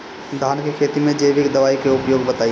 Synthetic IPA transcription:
d̪ʱaːnkekʰeːt̪imẽd͡ʒeːʋɪkd̪ɐʋaːikeʊpjoːɡbɐt̪aːi

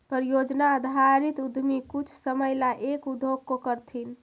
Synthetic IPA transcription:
pəɾijod͡ʒnaəd̪ʱaɾit̪ud̪mikut͡ʃʰsəməjlaʔekud̪ʱoɡ̚kokəɾt̪ʰin

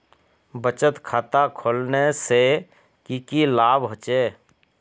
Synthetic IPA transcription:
bət͡ʃət̪kʰaːt̪akʰoːlnese | kikilaːbɦoːt͡ʃeː

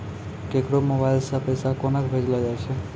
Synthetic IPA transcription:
kekɽomobajlsapəjsakonakbʱed͡ʒlad͡ʒajt͡ʃʰe

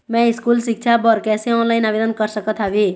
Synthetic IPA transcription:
mɛ̃iskulsik̚t͡ʃʰabəɾkɛsẽɔnlajnabed̪ənkəɾsəkət̪ʰaʋe

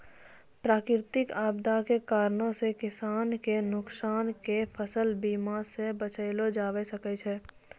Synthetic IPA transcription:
pɾaːkɪɾt̪ɪkaːbd̪akekaːɾnõsekɪsaːnkenʊksaːnkepʰəsəlbiːmasebət͡ʃəɪlod͡ʒaːʋesəkət͡ʃʰɛː

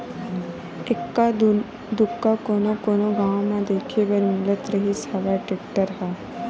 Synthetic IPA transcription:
ekːa | d̪ʊkːakoːnokoːnoɡãːʋmãd̪eːkʰebəɾmɪlət̪ɾəɦisaːʋaʈɾekʈəɾɦa

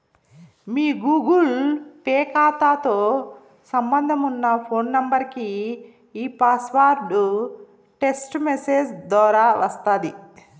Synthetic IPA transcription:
miːɡuːɡulpeːkaːt̪aːt̪oː | sɐmbɐnd̪ʱɐmunːɐpʰo̞ːnːɐmbɐɾkiː | paːsʋaːɾɖu | ʈe̞sʈmeseːd͡ʒd̪ʋaːɾaːʋɐst̪aːd̪i

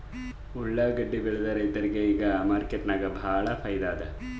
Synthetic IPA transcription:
uɭːɐɡɐɖːibiɭud̪ɐɾɐjt̪ɐɾiɡeiːɡɐːmaːɾkeʈnaːɡɐbʱaːɭɐpʰɐjd̪aːd̪ɐ

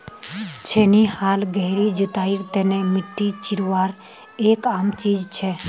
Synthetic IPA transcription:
t͡ʃʰeːnihaːlɡəɦɾid͡ʒʊt̪aːiɾt̪ɛːnemɪʈːit͡ʃɪɾʋaːɾ | eːkaːmt͡ʃiːd͡ʒt͡ʃʰɛ

